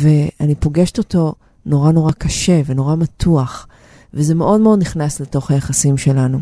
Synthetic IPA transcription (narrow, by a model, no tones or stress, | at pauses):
ve̞ʔanipo̞ɡe̞ʃe̥toto̞ | no̞ʁano̞ʁakɐʃe̞veno̞ʁamatʰuaχ | vezemeʔo̞dmeo̞dniχnasleto̞χhajaχasimʃe̞lanu